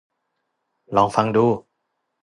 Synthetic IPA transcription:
lɔː˨˦ŋfa˧ŋduː˧˩

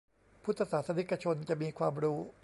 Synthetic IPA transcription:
pʰu˦˥t̪ʰːa˧saː˩˦t̪sʰa˧ni˦˥kːa˧t͡ɕʰo˧nt͡ɕa˨˩ʔmiː˧kʰwaː˧mɾuː˦˥

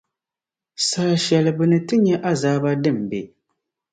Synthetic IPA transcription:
saː˦ʃɛ˨lɨ˨bɨ˨nɨ˨tɨ˦ɲɛ˦ʔa˦zaː˦ba˦dɨ˦˨m˨bɛ˨

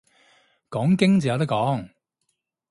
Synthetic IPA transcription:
kɔː˨˥ŋkɪ˥ŋt͡siː˨jɐ˨˧wt̪ɐ˥kɔː˨˥ŋ

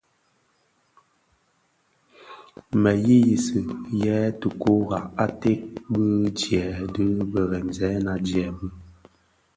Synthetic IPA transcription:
mɛ˨ji˦ji˨sɨ˨jɛː˨˦tə˨ko˦ɣa˨a˦te˦ʔbɨ˦d͡ʒjɛ˨dɨ˦bə˨ɣɛ˨n˨zɛ˨˦na˨d͡ʒjɛ˨bɨ˦

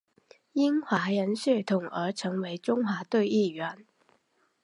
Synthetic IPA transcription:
i˥nxwa˧˥jə˧˥nɕɛ˥˩t̪ʰʊ˨˩ŋə˞˧˥ʈ͡ʂʰɤ˧˥ŋwe˧˥ɪʈ͡ʂʊ˥ŋxwa˧˥t̪we˥˧ɪi˥˩ɥɛ˧˥˦n

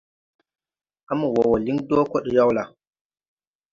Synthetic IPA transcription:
ʔa˦mu˨wɔ˨wɔ˨li˦ndoː˦kɔ˦ɗi˨ja˦wla˨

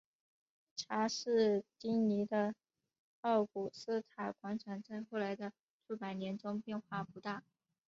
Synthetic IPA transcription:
ʈ͡ʂʰa˧˥ʂɻ̩˥˩t͡ɕi˥ŋni˧˥d̪ə˧ | xɑ˥˩ʊku˨˩sɹ̩˥t̪ʰa˨˩kwa˧˥nʈ͡ʂʰa˨˩ŋt͡sa˥˧ɪxo˥˩ʊla˧˥ɪd̪ə˧ | ʈ͡ʂʰu˥˩pa˨˩ɪnjɛ˧˥nʈ͡ʂʊ˥ŋpjɛ˥˧nxwa˥˩pu˧˥t̪a˥˩

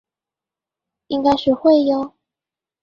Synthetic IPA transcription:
i˥ŋka˥ɪʂɻ̩˥˧xwe˥˩ɪjɑ˥˩

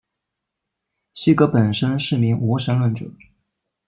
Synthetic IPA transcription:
ɕi˥kɤ˧˥pə˨˩nʂə˥nʂɻ̩˥˩mi˧˥ŋu˧˥ʂə˧˥nlwə˥˩nʈ͡ʂɤ̰˨˩˦

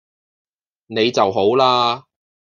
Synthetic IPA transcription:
ne˨˧jt͡sɐ˨wɦo˨˥wlaː˧

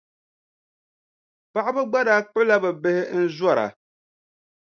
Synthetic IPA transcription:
pa˦ʔa˦bɨ˦ɡ͡ba˦daː˦k͡pʊ˦la˦bɛ˨bɨ˦hɪ˦n̩˦zwa˦ɾa̰˨

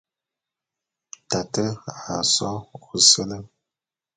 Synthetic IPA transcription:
ta˨tə˦ɣa˨sɔ˦ɣu˨sə˦lə˦

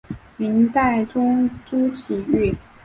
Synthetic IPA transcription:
mi˧˥nt̪a˥˩ɪʈ͡ʂʊ˥ŋt͡su˥t͡ɕʰi˨˩y˥˩

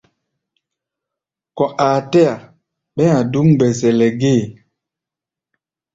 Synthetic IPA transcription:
kɔ̃˨ʔaː˨tɛ˦a˨ | ɓɛ˦a˨du˦ŋbɛ˨zɛ˨lɛ˨ɡeː˦˨

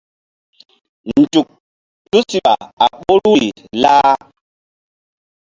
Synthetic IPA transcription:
n̩˨d͡ʒu˨k̚ | tu˦si˨ɓa˨a˨ɓo˦ɾu˦i˨ | laː˦

